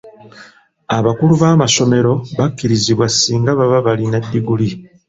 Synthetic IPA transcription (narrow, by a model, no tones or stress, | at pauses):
aβakuluβaːmaso̞me̞ɾo̞βakːiɾiziβwasːiːŋɡaβaβaβalinadːiɡuli